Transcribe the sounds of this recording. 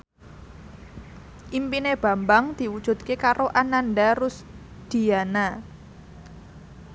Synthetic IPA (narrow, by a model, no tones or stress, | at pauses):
ʔimpineb̥a̤mbaŋd̪̥i̤wud̥ʒ̥ṳt̪̚kekaɾoʔananɖarʊs | d̪̥i̤ana